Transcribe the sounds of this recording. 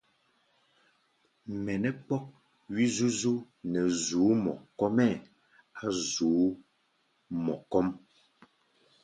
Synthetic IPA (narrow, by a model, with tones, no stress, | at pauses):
mɛ˨nɛ˦k͡pɔ˦k̚ | wi˦zu˦zu˦ | nɛ˨zuː˨˦mɔ̰˨kɔ˦mɛ˦˨ | a˨zuː˨˦ | mɔ˨kɔ˦m